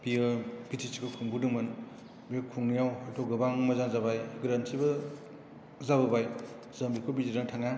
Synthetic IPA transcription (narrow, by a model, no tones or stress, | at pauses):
biɯb̥itʰisi̥kʰokʰuŋbudɯŋmɯn | biɐkʰuŋnijawhajtʰɔɡɐbaŋmɐzaŋzabajɡɾansibɐ | zabɐbaj | zɐmbikʰobiziɾaŋtʰaŋa